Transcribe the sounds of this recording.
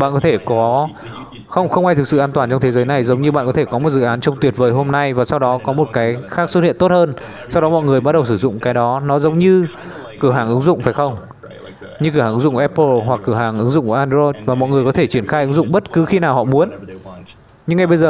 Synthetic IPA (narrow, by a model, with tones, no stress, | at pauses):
ɓa̰ː˧˨nkɔ˨˦t̪ʰe˧˩kɔ˨˦ | xə˧wŋ͡mxə˧wŋ͡mʔaː˧jt̪ʰɨ˨˩k̚sɨ̰˧˨ʔːnt̪waː˨˩nt͡ɕɔ˧ŋ͡mt̪ʰe˨˦zəː˨˦jna˨˩jzə˨˦ŋ͡mɲɨ˧ɓa̰ː˧˨nkɔ˨˦t̪e˧˩kɔ˨˦mo˨˩t̚zɨ̰˧˨ʔaː˨˦nt͡ɕɔ˧wŋ͡mt̪wət̚vəː˨˦jɦo˧mna˧jvaː˨˩sa˧wɗɔ˨˦kɔ˨˦mo˨˩t̚kaː˨˦jxaː˦˥k̚swə˦˥t̚hḭ˧˨ənt̪o˦˥t̚həː˧n | sa˧wɗɔ˨˦mɔ̰˧˨jŋɨ˨˩əjɓa˦˥t̚ɗə˨˩ws̬ɨ˧˩zʊ̰˧˨ŋ͡mkaː˨˦jɗɔ˨˦nɔ˨˦zə˨˦wŋ͡mɲɨ˧ | kɨ˧˩ɦaː˧˩ŋʔɨ˨˦ŋzʊ̰˧˨ŋ͡mfaː˧˩jxə˧wŋ͡m | ɲɨ˧kɨ˧˩haː˨˩˨ɨ˨˦zʊ̰˧˨kːɛ˧pːəː˧˩ɦwa˨˩kːɨ˧˩haː˨˩ŋʔɨ˨˦ŋzʊ̰˧˨ŋ͡mku˧˩ʔaː˧nzo˧jt̚vaː˨˩mɔ̰˧˨jŋ˨˩əkɔ˨˦t̪ʰe˧˩t͡ɕi˧˩ənxaː˧jʔɨ˨˦ŋzʊ̰˧˨ŋ͡mɓə˦˥t̚kɨ˨˦xi˧naː˨˩whɔ̰˧˨mu˨˦ən | ɲɨ˧ŋːa˧jɓə˧jzəː˨˩